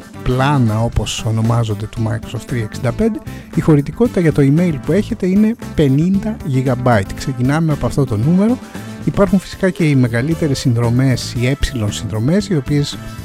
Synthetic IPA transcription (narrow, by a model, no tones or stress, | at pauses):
plɐnɐo̞po̞so̞no̞mɐzo̞nd̪e̞t̪umɐjkɾosoft̪ɾiɐeksind̪ɐpe̞nd̪e̞ixo̞ɾit̪iko̞t̪i̥t̪ɐʝɐt̪o̞ime̞jlpue̞çe̞t̪e̞ine̞pe̞nind̪ɐʝiɣɐbɐjt̪kse̞cinɐmeɐpoɐft̪o̞t̪o̞nume̞ɾo̞ | ipɐɾxunfi̥si̥kɐce̞ime̞ɣɐlit̪e̞ɾesːinðɾo̞me̞sie̞psilo̞nsinðɾo̞me̞sio̞pie̞s